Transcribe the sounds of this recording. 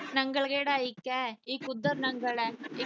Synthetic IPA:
nɐŋɡɐɭɡeːɽaːjikːeiːkud̪ːɐɾnɐŋɡɐɭe

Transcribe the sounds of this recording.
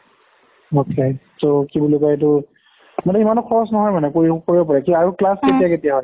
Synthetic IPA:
okesokibulukaɛt̬ʊ | mɔdɛimanɔkʰɔɹɔsnɔɦɔjmanɛkoɹikoɹibɔpɔɹɛkiaɹuklasketijaketijaɦɔj

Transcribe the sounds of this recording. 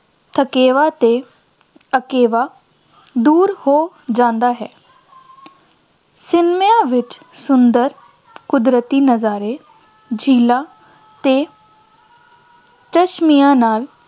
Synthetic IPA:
t̪ʰəkeːʋaːt̪eː | əkeːʋaː | d̪uːɾhoː | d͡ʒãːnd̪aːɦɛː | sɪnmɪjãːʋɪt͡ʃ | sʊnd̪əɾ | kʊd̪ɾət̪iːnəzaːɾeː | d͡ʒʱiːlaː | t̪eː | t͡ʃəʃmijãːnaːl

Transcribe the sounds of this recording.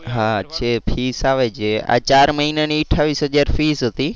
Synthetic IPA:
ɦaəʃʰepʰisaʋat͡ʃʰea̰t͡ʃaɾməɦinaniːʈʰːaʋisɦəd͡ʒaɾfisɦət̪i

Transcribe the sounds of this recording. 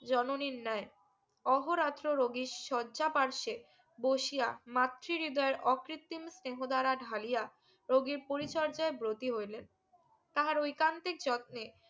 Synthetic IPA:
d͡ʑɔnoniɾnae | ɔɦoɾat̪ɾoɾoɡiʃʃɔdːd͡ʑapaɾʃe | boʃijamat̪ːɾiɾid̪ɔeɾɔkɾit̪ːimsneɦod̪aɾaɖʱalija | ɾoɡiɾpoɾit͡ɕɔɾd͡ʑaebɾot̪iɦojlen | t̪aɦaɾojkant̪ek̚d͡ʑɔt̪̚ne

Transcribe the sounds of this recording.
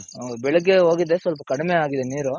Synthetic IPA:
bɛɭuɡːeɦo̞ːɡid̪e̞sʋɐlp̬ɐkɐɽimeaːɡid̪eniːɾu

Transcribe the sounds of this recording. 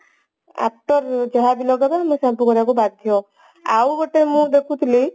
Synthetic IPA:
a̰p̚ʈɔɾd͡ʒɔɦad̪ilɔɡɔt̪amɔ̃sãpukɔɾakubad̪̚ʱjo | awbɔʈemũd̪ekʰũt̪ʰili

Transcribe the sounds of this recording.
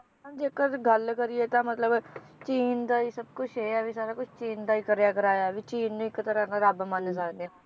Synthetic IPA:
nd͡ʒeːkəɾɡəlkəɾieːt̪ãmət̪ləb | t͡ʃiːnd̪aːiːsəb̚kʊt͡ʃʰɦeːaːʋisaːɾaːkʊt͡ʃʰt͡ʃiːnd̪aːiːkəɾjaːkəɾaːjaːʋiːt͡ʃiːnnũːɪkːət̪əɾənaɾaːbamãːnːesaːkd̪ea

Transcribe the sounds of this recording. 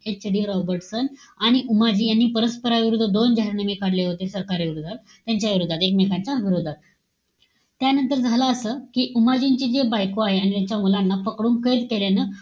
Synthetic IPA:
et͡ɕɽiːɾɔbəɾʈsən | aɽ̃iʔumad͡ʑiːjanːiːpəɾəspəɾaʋiɾud̪ʱːəd̪ond͡ʑaɦɾnəmikaɽleɦot̪esəɾkaɾiʋiɾud̪ʱat̪̚ | t̪jaɲt͡ɕaʋiɾud̪ʱːat̪ekmekʰaɲt͡ɕaʋiɾud̪ʱat̪ | janənt̪əɾd͡zʱaləːsəːkiːʔumad͡ʑiɲt͡ɕiːd͡ʑebajkoaɦeanit̪jaɲt͡ɕjamulanːafəkɽuːmkəjd̪keljanə

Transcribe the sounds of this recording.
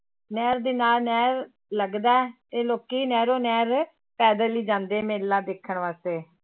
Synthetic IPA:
nɛːɾd̪eːnaːlnɛːɾ | ləɡd̪aːɛːt̪eːloːkiːnɛːɾoːnɛːɾ | pɛːd̪əliːd͡ʒãːnd̪eːmeːlːãːd̪eːkʰːəɳʋaːst̪eː

